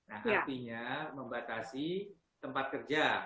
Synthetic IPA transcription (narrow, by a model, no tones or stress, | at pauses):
nahʔaat̪iɲaməmbat̪asi | t̪əmpat̪̚kərd͡ʒa